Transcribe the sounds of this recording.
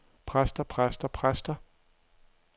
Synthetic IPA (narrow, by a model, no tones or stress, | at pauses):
pʰʁasd̥ɐpʰʁasd̥ɐpʰʁasd̥ɐ